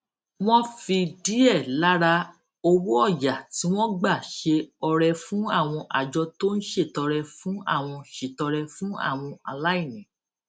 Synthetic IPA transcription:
w̃ɔ̃˦fi˧di˦ɛ˦˨la˨˦ɾa˧ | o˧wu˦ɔ˦˨ja˨ti˨˦w̃ɔ̃˦ɡ͡ba˦˨ʃe˧ɔ˧ɾɛ˧fũ˦a˦˨w̃ɔ̃˧ʔa̰˨d͡ʒɔ˧to˦n̩˦ʃe˦˨tɔ˧ɾɛ˧fũ˨˦a̰˦˨w̃ɔ̃˧ʃe˨tɔ˧ɾɛ˧fũ˦a̰˦˨w̃ɔ̃˧a̰˧˨la˦i˦˨nĩ˨

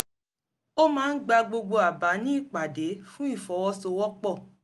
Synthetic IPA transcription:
o˦mãː˦n̩˦ɡ͡ba˧ɡ͡bo˧ɡ͡bo˧a˨ba˨˦nĩ˦i˦˨k͡pa˨de˨˦fũ˦i˦˨fɔ˨˦wɔ˧˦so˧wɔ˦k͡pɔ˦˨

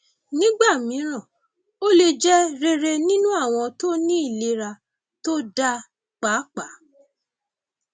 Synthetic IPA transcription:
nĩ˦ɡ͡ba˦˨mĩ˨˦ɾ̃ã˦˨ | o˦le˧d͡ʒɛ˦ɾe˧ɾe˧nĩ˦nũ˦a˦˨w̃ɔ̃˧to˦nĩ˦i˦˨le˨˧˦ɾa˧ | to˦da˦ | k͡pa˨˦k͡pa˨˦

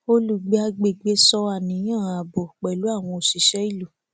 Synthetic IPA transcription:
o˦lu˨ɡ͡be˦a˧ɡ͡be˨ɡ͡be˦sɔ˦a˦˨nĩ˨˦j̃ã˦˨a˨bo˨k͡pɛ˨lu˨˦a˦˨w̃ɔ̃˧o˨ʃi˨˦ʃɛ˦i˦˨lu˨

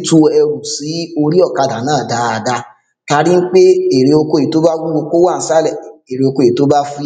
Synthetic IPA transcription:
tu˦ɛ˧ɾu˨si˨˦o˧ɾi˦ɔ˦˨ka˧da˨˦nãː˦˨da˨˦a˨da˧˦ | ta˧˦ɾi˦n̩˦k͡pe˦e˨ɾe˨˧o˧ko˧˨e˨˦to˨˦ba˦wu˦o˧ko˦wa˦˨˦sa˦lɛ˦˨e˨ɾe˧o˧ko˧˦˨to˦ba˦fu˦

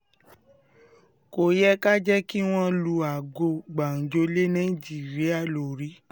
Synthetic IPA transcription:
ko˨jɛ˦ka˦d͡ʒɛ˦ki˦w̃ɔ̃˦lu˧a˨ɡo˧ɡ͡ba˨n̩˨d͡ʒo˧˦le˦nã˦i˦˨d͡ʒi˦˨ɾi˨˦a˦˨lo˨ɾi˨˦

